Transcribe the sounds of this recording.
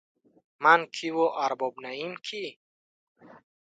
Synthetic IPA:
mankʰivɔʔaɾbɔbnaimkʰi

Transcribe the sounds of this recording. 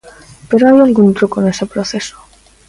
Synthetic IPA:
pe̞ɾoajalɣunt̪ɾukone̞sepɾoθe̞so̥

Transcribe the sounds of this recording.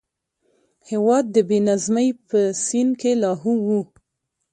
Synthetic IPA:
hewɑd̪̚ːəbenazməjpəsinkelɑɦuwu

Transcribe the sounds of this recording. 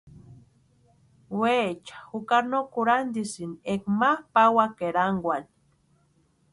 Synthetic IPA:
wet͡ʃḁhukaɾnokuɾand̪isinekmahpawakeɾaŋɡwan

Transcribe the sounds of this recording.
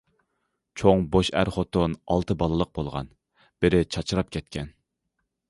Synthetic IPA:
t͡ʃʰoŋboʃæ̰ɾχot̪onɑlˠt̪ʰɨbɑlˠɨlˠəq̚bolˠʁɑ̰n | b̥ɪɾɪt͡ʃʰɑt͡ʃʰɨɾɑp̚kʲʰɛt̪̚kʲʰɛn

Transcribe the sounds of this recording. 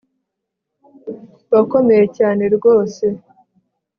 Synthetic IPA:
βako̞me̞jecaːne̞ɾɡo̞ːse̞

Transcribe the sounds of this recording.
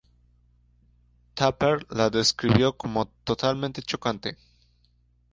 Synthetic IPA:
t̪ʰapeɾlaðe̞skɾiβjo̞ko̞mo̞t̪o̞t̪almẽnt̪e̞t͡ʃo̞kant̪e̞

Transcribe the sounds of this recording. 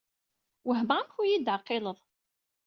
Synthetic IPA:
wəɦməamçujid̪ʕqːɪləðˤ

